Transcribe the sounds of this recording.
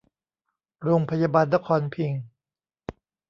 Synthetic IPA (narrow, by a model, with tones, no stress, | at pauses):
ɾoː˧ŋpʰa˧jaː˧baː˧nːa˦˥kʰɔː˧npʰi˧ŋ